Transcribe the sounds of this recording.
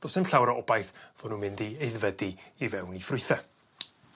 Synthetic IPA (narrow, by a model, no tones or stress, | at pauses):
d̥ɔsɪmɬawɾaʔɔbajθv̥ɔdnunmɪndiejðvədiivɛwnifrʊɨθɛ